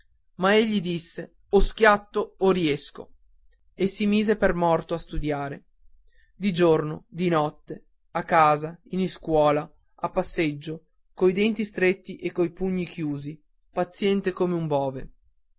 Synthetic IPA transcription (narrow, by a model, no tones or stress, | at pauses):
maeʎːid̪isːe | ɔsk̟jat̪ːoːɾiɛsko̰ | esːimiːzepermɔrt̪oast̪ud̪jaːɾe | d̪id͡ʒorno̰d̪inɔt̪ːe | akːaːzainiskwɔːla | apːasːed͡ʒːo | kojd̪ɛnt̪ist̪ɾet̪ːiʔekːojpuɲːikjuːzi | pat̪sːjɛnt̪ekomeumbɔːve